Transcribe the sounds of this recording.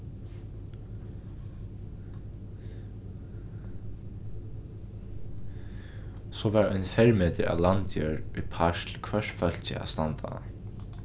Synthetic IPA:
sɔʋɛɾɔjnfɛɹmeːt̪əɾa̰lant̪jœːɹipʰaʃlkʰvɛʂfœl̥t͡ɕɪ̰a̰st̪ant̪ʰa̰

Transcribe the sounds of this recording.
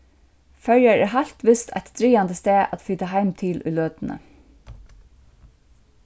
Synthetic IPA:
fœɹjaɹæɦal̥t̪ʋɪst̪ʰa̰jt̪d̪ɾiːand̪əst̪æːʔa̰t̪fiːt̪aɦaɪmt̪ʰɪlʔʊ̰jløːt̪ɪnə̰

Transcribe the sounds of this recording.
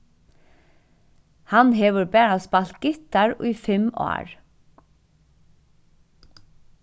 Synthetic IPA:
hɑnheːʋəɹbæːɹɑspɑlt̪̚ɡ̥ɪt̪ɑɹo̰ːiːfɛmo̰ːɹ

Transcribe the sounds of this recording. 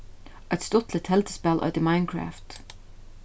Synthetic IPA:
ʔət̪st̪ɔt̪ʰl̩ət̪hɛlt̪ə̥spɛlʔœ̰d̪əmãɪ̃nkʰɹæ̰ːft̪

